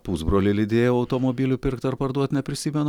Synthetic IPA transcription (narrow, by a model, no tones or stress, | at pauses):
puːzbɾoːlʲɪlʲɪd̪ʲeːjoːɐʊt̪oːmobʲiːlʲʊpʲɪɾkt̪ɐɾpɐɾd̪uɔt̪nʲɛpʲɾʲɪsʲiːmʲɛn